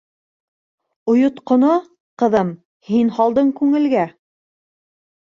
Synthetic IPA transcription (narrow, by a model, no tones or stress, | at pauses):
ŏjŏt̪qŏno | qɤ̆ðɤm | hinhɑlˠd̪ɤɴkʉŋɘ̆lɡæ